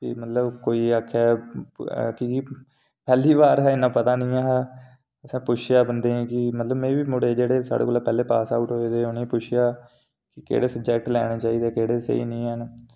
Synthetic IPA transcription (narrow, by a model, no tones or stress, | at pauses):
kɪ̰mət̪ləbkoːiːaːkʰːɛː | ki | pɛːliːbaːɾɦɛ̃ːɪnãːpət̪aːnĩːãːɦː | əsãːpʊt͡ʃʰɪjaːbənd̪eːɛ̃ːkɪmət̪ləbmɛ̃ːʋiːmʊɽeːd͡ʒeːɽeːsa̰ːɽḛːkoːlaːpɛːleːpa̰ːsaːʊʈɦoːeːd̪eːʊnẽːpʊt͡ʃʰɪjaː | kɪkḛːɽeːsəb̚d͡ʒɛːk̚ʈlɛ̰ːɽ̃aːt͡ʃaːiːd̪eːkeːɽeːsḛḭːnĩːɦən